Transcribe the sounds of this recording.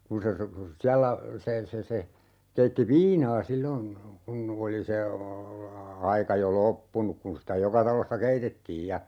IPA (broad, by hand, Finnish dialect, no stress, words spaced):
kun se siælːæ se se se keitːi ʋiːnɑː silːon kun oli se ɑikɑ jo lopːunuk kun sitæ jokɑ tɑlosːɑ keitetːiːj jɑ